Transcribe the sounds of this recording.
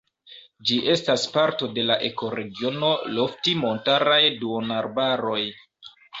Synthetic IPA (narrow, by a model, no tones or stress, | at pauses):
d͡ʒiʔe̞staspaɾto̞de̞laʔe̞ko̞ɾe̞ɡio̞no̞lo̞ftimo̞ntaɾajduonaɾbaɾo̞j